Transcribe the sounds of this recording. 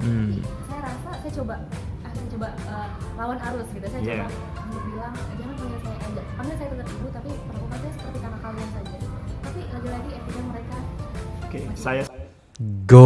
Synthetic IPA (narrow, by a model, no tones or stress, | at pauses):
isajaɾasasajat͡ʃobaast͡ʃoba | əːlawanaɾʊsɡit̪usajat͡ʃaba | alubilaŋd͡ʒəmanpaŋɡalsajaʔdapaŋɡasajat̪əd̪ap̪̚ibut̪apipərlukansajasə̥pərt̪ikanakːaluansad͡ʒat̪apilaɡilaɡiep̪ik̚ɲaməɾekaokesaja | ɡo